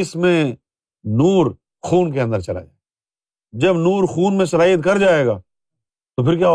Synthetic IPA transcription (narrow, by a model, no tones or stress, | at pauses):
ɪsmẽ | nuːɾ | xuːnkeə̃nd̪əɾt͡ʃɐla̰d͡ʒa̰ː | d͡ʒɐbnuːɾxuːnmẽsɐlaːjət̪kɐɾd͡ʒaːeːɡaː | t̪opʰɪɾkjaː